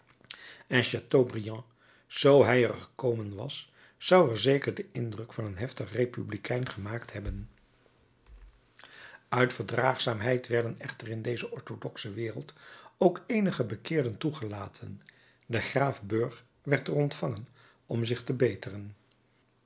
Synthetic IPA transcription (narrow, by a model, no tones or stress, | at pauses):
ɛnʃatobrijɑ̃ | z̥owɦɛjəɹχə̥kowmənʋɑ̰sː | ɑwɛɹzejkəɹdəʔɪndrɵkfɑnənɦɛftəχrejpyblikʰɛjnχəmaːktɦɛbən | œɥtfəɹdraːχsaːmɦɛjtʋɛɹdənɛχtərɪndejzəʔɔɹtodɔksəʋɪːrəlˠtowkejnəχəbəkɪːɹdəntuχəlaːtʰən | dəχraːfbɵɹχ | ʋɛɹtərɔntfɑŋən | ɔmzɪχtəbejtərən